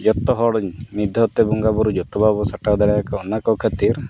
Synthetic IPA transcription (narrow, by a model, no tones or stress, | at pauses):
d͡ʒɔt̪ɔɦɔɽmid̪ʱɔt̪ebuŋɡabɔɾud͡ʒɔt̪ɔbabɔsaʈad̪aɽajakaɔnakɔkʰət̪iɾ